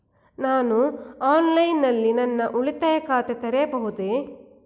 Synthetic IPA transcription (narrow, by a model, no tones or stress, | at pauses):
naːnuaːnlɐjnːɐlːinɐnːɐʔuɭit̪ɐjɐkaːt̪et̪ɐɾebɐɦud̪eː